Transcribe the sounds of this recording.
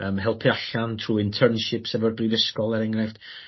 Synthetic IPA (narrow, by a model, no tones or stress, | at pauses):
əːmhɛlˠpʰiaɬantʰruːɪntʰərnʃɪpsɛvɔrbrivəskɔlˠɛɾɛŋrɛfd̥